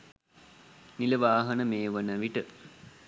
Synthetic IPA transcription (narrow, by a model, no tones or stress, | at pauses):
niləʋaːɦənəmeːʋənəʋiʈə